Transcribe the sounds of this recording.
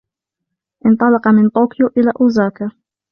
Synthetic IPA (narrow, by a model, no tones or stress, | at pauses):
ʔɪnt̪ˤɑlɑqɑmɪnt̪ˤoːkɪjoʔɪlaːʔʊːzaːka